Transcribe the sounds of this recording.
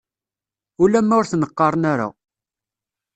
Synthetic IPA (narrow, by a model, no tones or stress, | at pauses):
ulæmːæʊɾθnəqːɑɾˤnaɾa̰